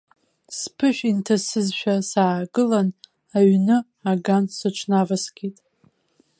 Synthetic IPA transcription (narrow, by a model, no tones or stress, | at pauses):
spʰɨʃᶣintʰasɨzʃᶣasaːɡɨlan | aɥnɨ | aɡansɨʈ͡ʂʷʰnavasɡ̥ʲitʼ